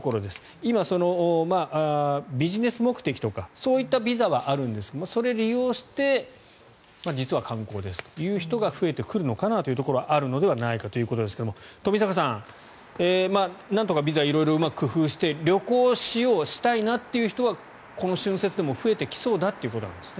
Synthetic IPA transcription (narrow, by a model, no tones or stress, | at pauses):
okoɾod̪e̞sɨ̥ | imaso̞no̞maʔbʲiʑine̞sɨmo̞kɯ̟̥t̪e̞kʲi̥t̪o̞kaso̞ːit̪ːabʲizaβ̞aʔaɾɯ̟̃nd̪e̞sɨ̥komaso̞ɾe̞ɾʲijo̞ːɕi̥t̪e̞ | mad͡ʑit͡sɨβakãŋko̞ːd̪e̞sɨ̥t̪o̥jɯ̟ːçi̥t̪o̞ɡaɸɯ̟e̞t̪e̞kɯ̟ɾɯ̟no̞kanat̪o̞ji̟t̪oko̞ɾo̞aʔaɾɯ̟no̞d̪e̞βanaikat̪o̞jɯ̟ko̞t̪o̞d̪e̞sɨ̥ke̞d̪omt̪o̞mʲisakasãŋ̃ | emanãnt̪̬o̞kabʲizaβiɾo̞iɾo̞ɯ̟makɯ̟kɯ̟ɸɯ̟ːɕi̥t̪e̞ɾʲo̞ko̞ːɕijo̞ːɕi̥t̪ainat̪ːe̞jɯ̟çi̥t̪o̞βa | ko̞no̞ɕɨ̃ɰ̃se̞t͡sɨd̪e̞mo̞ɸɯ̟e̞t̪e̞kʲi̥so̞ːd̪at̪ːe̞iɯ̟kot̪onã̰nd̪esɨ̥ne